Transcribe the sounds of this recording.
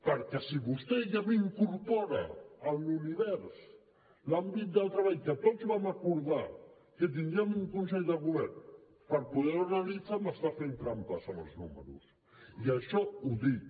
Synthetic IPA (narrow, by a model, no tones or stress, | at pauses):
paɾkesiβust̪eʎamiŋkuɾpɔɾa̰anuniβɛɾs | lambit̪̚d̪alt̪ɾaβaʎkat̪ɔsβamakuɾða | ket̪̬inamuŋkunsɛʎðaɣuβɛɾn | paɾpuðeɾanalit͡samast̪afent̪ɾampasana̰znṵmḛɾṵs | iaʃɔuði